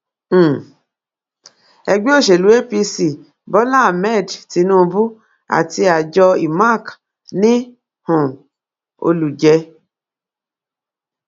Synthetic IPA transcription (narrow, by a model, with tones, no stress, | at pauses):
ɛ˧ɡ͡be˦o˦˨ʃe˨lu˨˦e˦pi˧si˨ | bɔ˨˦la˦a˨mɛ˦˨dti˨˧˦nũ˦˧bu˦ | a̰˨ti˧a˨d͡ʒɔ˧i˨ma˦˨k | nĩ˦ | hɔ̃˨ | o̰˧lu˨d͡ʒɛ˧